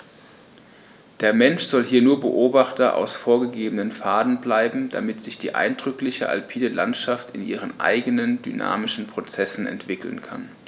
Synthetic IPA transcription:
d̥eːɐmɛnʃz̥ɔlɦiːɐnuːɐbəʔoːbaχtɐʔa̰ʊsfoːɐɡəɡeːbənənfaːdn̩blaɪbm̩d̥a̰mɪtz̥ɪçd̥iːʔa̰ɪndʁʏklɪçə̰ʔa̰lpʰiːdəla̰ntʃaftɪnʔiːʁ̞ənʔa̰ɪɡənəndy̰na̰ːmɪʃn̩pʁ̥ot͡sɛsn̩ɛ̰ntv̥ɪkl̩nkʰa̰n

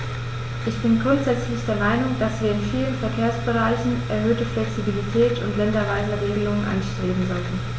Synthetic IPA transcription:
ʔɪçb̥ɪnkɡʊɐtz̥ɛt͡slɪçd̥eːɐmaɪnʊŋd̥asv̥iːɐɪnfiːlənfɛɐkʰeːɐsb̥əʁaɪçn̩ʔɛɐɦøːtəflɛksibilitʰɛːtʊntlɛndɐvaɪzəʁeːɡəlʊŋənʔa̰nʃtʁ̥eːbm̩zɔltn̩

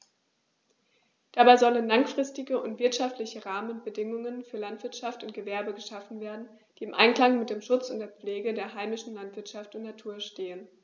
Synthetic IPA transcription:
d̥abaɪzɔlənlaŋfʁ̥ɪstɪɡəʔʊntv̥ɪɐtʃaftlɪçəʁaːmənbədɪŋʊŋənfyːɐlantv̥ɪɐtʃaftʊntɡ̥əvɛɐbəɡəʃafn̩veːɐdn̩ | d̥iːɪmʔa̰ɪnklaŋmɪt̚d̥eːmʃʊt͡sʊntd̥eːɐp͡fleːɡədeːɐɦaɪmɪʃn̩lantv̥ɪɐtʃaftʊntnatʰuːɐʃteːən

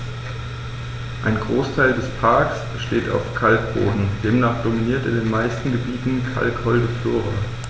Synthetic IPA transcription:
ʔaɪnɡʁoːstʰaɪldɛspʰaɐks | ʃteːta̰ʊfkʰalkb̥o̰ːdn̩d̥eːmnaːχd̥ominiːɐtɪ̰ndeːnmaɪstn̩ɡəbiːtn̩kʰa̰lkhɔldəfloːʁɐ

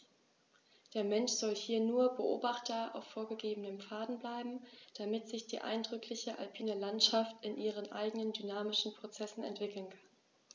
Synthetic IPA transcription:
d̥eːɐmɛnʃz̥ɔlhiːɐnuːɐbəʔo̰ːbaχtɐʔa̰ʊffoːɐɡəɡeːbənəmfaːdn̩blaɪbm̩d̥amɪtz̥ɪçd̥iːʔa̰ɪndʁʏkʰlɪçəʔa̰lpʰiːnəlantʃaftɪnʔiːʁ̞ənʔa̰ɪɡənəndynaːmɪʃn̩pʁ̥ot͡sɛsn̩ɛ̰ntv̥ɪkl̩nkʰḁn

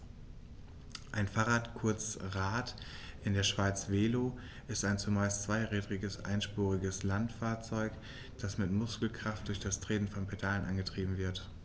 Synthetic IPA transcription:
ʔaɪnfaːʁaːtkʰʊɐt͡sʁaːtʔɪndeːɐʃv̥aɪt͡sv̥eːloː | ʔɪstaɪnt͡sumaɪst͡sv̥aɪʁɛːdʁɪɡəsʔa̰ɪnʃpuːʁɪɡəslantfaːɐt͡sɔʏk | d̥asmɪtmʊskl̩kʁ̥aft̚d̥ʊɐçd̥astʁ̥eːnn̩fɔnpʰedalənʔanɡətʁ̥iːbm̩vɪɐt

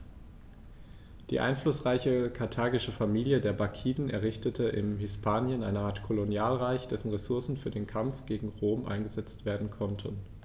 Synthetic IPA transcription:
d̥ḭːʔa̰ɪnflʊsʁ̥aɪçəkʰaɐtʰaːɡɪʃəfamiːljədeːɐbakʰiːdn̩ɛɐʁɪçtətʰəʔɪ̰mhɪspʰaːnjənʔa̰ɪnəʔaːɐtkʰolonjaːlʁaɪçd̥ɛsn̩ʁesʊɐsn̩fyːɐdeːnkʰamfɡ̥eːɡŋ̩ʁoːmʔa̰ɪnɡəzɛt͡stv̥eːɐdn̩kʰɔntʰən

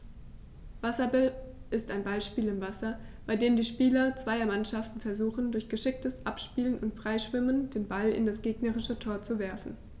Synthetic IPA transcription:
v̥asɐbɛlʔɪstaɪnbaɪʃpiːlɪmvasɐ | b̥aɪdeːmdiːʃpiːlɐt͡sv̥aɪɐmanʃaftn̩fɛɐzuːxn̩dʊɐçɡ̥əʃɪk̚təsʔapʃpiːlənʊntfʁ̥aɪʃv̥ɪməndeːnbalɪ̰ndasɡ̥eːɡnɐʁɪʃətʰoːɐt͡suvɛɐfn̩

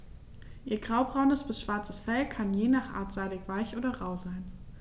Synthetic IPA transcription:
ʔiːɐɡʁaʊbʁaʊnəsb̥ɪsʃv̥aɐt͡səsfɛlkʰanjeːnaːχʔa̰ːɐtz̥aɪdɪkv̥aɪçʔoːdɐʁaʊzaɪn

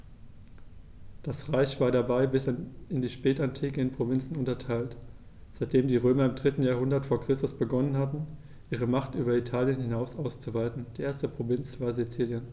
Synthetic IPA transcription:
d̥asʁaɪçv̥aːɐɾabaɪbɪsɪndiːʃpɛːtantʰiːkəɪnpʁ̥ovɪnt͡sn̩ʊntɐtʰaɪlt | z̥aɪt̚d̥eːmdiːʁ̞øːmɐɪmdʁɪtn̩jaːɐɦʊndɐtfoːɐkʁ̥ɪstʊsb̥əɡɔnənhatn̩ | ʔiːʁ̞əmaχtʔyːbɐitʰaːljənhɪnaʊsʔaʊst͡suvaɪtn̩d̥iːʔeːɐstd̥əɐpʁ̥ovɪnt͡sv̥aːɐzit͡siːljən

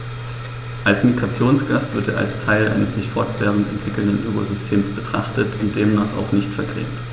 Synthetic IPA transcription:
ʔalsmiɡʁat͡sjoːnsɡ̥asv̥ɪɐteːɐʔa̰lstʰaɪlʔa̰ɪnəsz̥ɪçfɔɐtv̥ɛɐʁn̩tɛ̰ntv̥ɪkl̩ndənʔøːko̰zʏstʰeːmsb̥ətʁ̥aχtətʰʊnt̚d̥eːmnaːχa̰ʊxnɪçtfɛɐɡʁɛ̰ːft

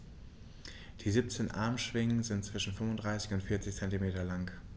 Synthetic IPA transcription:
d̥iːziːp̚t͡seːnʔa̰ɐmʃv̥ɪŋənzɪntt͡sv̥ɪʃn̩fʏmʊndʁaɪsɪçʊntfɪɐt͡sɪçt͡sɛntimeːtɐlaŋ

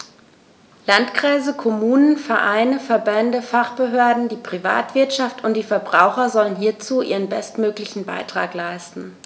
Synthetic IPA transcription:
lantkʁ̥aɪzəkʰɔmuːnənfɛɐʔaɪnəfɛɐbɛndəfaχb̥əɦøːɐdn̩diːpʁ̥iva̰ːtv̥ɪɐtʃaftʰʊntd̥iːfɛɐbʁaʊxɐzɔlənɦiːɐt͡suːʔḭːʁ̞ənbɛstmøːklɪçn̩ba̰ɪtʁ̥a̰ːklaɪstn̩

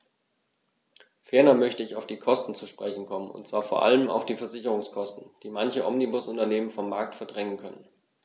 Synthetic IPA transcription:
fɛɐnɐmœçtəɪçaʊfd̥iːkʰɔstn̩t͡suʃpʁ̥ɛçn̩kʰɔmənʊ̰ntt͡sv̥aːɐfoːɐʔa̰ləma̰ʊfd̥iːfɛɐzɪçəʁʊŋskʰɔstn̩d̥iːmançəʔɔmnibʊsʔʊntɐneːmənfɔmːaɐk̚tfɛɐdʁɛŋənkʰœnən

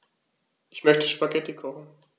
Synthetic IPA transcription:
ʔɪçmœçtəʃpaɡɛtəkʰɔχn̩

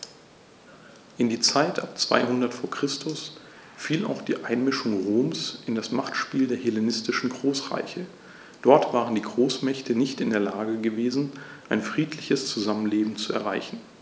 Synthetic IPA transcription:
ʔɪndiːt͡saɪtʰʔap̚t͡sv̥a̰ɪɦʊndɐtfoːɐkʁ̥ɪstʰʊs | fiːla̰ʊxd̥iːʔaɪnmɪʃʊŋʁoːmsʔɪndasmaχtʃpiːldeːɐhelenɪstɪʃn̩ɡʁoːsʁa̰ɪçə | d̥ɔɐtv̥aːʁ̞əndiːɡʁoːsmɛçtʰənɪçtɪndeːɐlaːɡəɡəveːzn̩ʔaɪnfʁ̥iːtʰlɪçəst͡suzamənleːbm̩t͡suɛ̰ɐʁaɪçn̩

